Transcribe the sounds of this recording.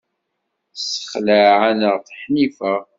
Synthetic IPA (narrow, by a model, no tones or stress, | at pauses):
sə̥χlaʕanəʁθħnifəʁ